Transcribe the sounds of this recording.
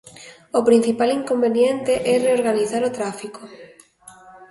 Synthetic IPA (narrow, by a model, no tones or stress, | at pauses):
opɾin̟θipaliŋkombenjent̪eʔɛreoɾɣaniθaɾot̪ɾafiko